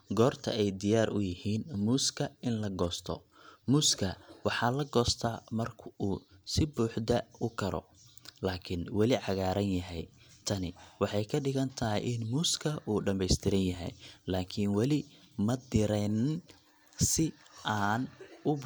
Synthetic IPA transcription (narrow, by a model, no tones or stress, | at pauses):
ɡɔːrt̪ʰɐ̰ɛjd̪ɪjaːrʔʊ̰jɪhiːnmuːskʰɐɪnlɐɡɔːst̪ʰɔ̰ | muːskʰɐwɑħɑːlɐɡɔːst̪ʰaːmɐrkʰʊʔuːsɪbuːħd̪ɐʊkʰɐɾɔ̰ | laːkʰɪnwɑlɪʕɑɣaːɾɐnjɐɦɛj | t̪ʰɐnɪwɑħɑjkʰɐɖɪɣɐnt̪ʰɐɦɪ̰jʔɪnmuːskʰɐʔuːɖɐmbɛjst̪ʰɪɾɪnjɐɦɛ̰jlaːkʰɪnwɑlɪmɐd̪ɪɾɛn | sɪʔaːnʊ